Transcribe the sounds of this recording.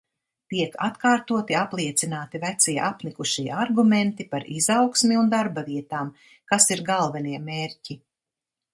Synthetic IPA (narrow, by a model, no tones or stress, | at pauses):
t̪iɛkat̪kaːɾt̪uɔt̪iaplˠiɛt̪sinaːt̪ivæt̪siɛʔapnikuʃiːaɾɡument̪ipaɾizawksmiund̪aɾbaviɛt̪aːm | kasiɾɡalˠvɛniɛmeːɾci